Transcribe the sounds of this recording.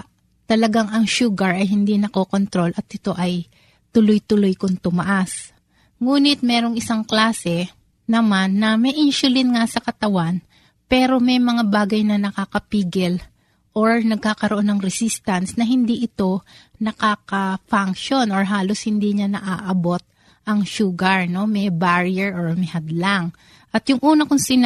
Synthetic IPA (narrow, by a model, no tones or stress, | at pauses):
t̪ɐlɐɡaŋɐŋʃuːɡɐɹɐjɦɪnd̪inɐkoko̞nt̪ɾo̞lʔɐt̪̚ʔɪt̪o̞ʔɐj | t̪ʊlojt̪ʊlojkʊŋt̪ʊmɐʔas | ŋuːnɪt̪̚mɛːɾo̞ŋɪsaŋklaːsɛ | nɐmanːɐmɛʔɪnʃʊlɪnŋasɐkɐt̪ɐwan | pɛːɾo̞mɛjmɐŋabaːɡɐjnɐnɐkaːkɐpiːɡɪl | ʔoɹnɐɡ̚kakɐɾoʔo̞nːɐŋɾɛsist̪ɐnsnɐɦɪnd̪iːʔɪt̪o̞nɐkaːkɐfaŋkʃo̞noɹɦaːloshɪnd̪iːɲanɐʔaːʔɐbo̞t̪̚ | ʔɐŋʃuːɡɐɹno̞mɛbaɹiɛɹʔoɹmɛhɐd̪laŋ | ʔɐt̪jʊŋʔuːnɐkʊŋsɪn